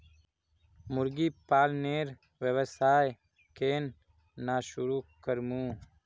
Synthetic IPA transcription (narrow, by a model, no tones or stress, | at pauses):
mʊɾɡiːpaːlneːɾ | wəwəsaːj | keːnː | aːʃʊɾuːkəɾmũː